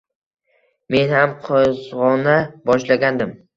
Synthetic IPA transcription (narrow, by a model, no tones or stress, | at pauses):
me̞nhamqʰɒzʁɒnabɒʃlaɡʲand̪ɪm